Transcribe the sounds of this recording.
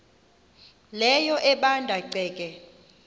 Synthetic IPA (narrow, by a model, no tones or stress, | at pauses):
lɛjɔʔɛɓandʱaǃɛːk̬ʼɛ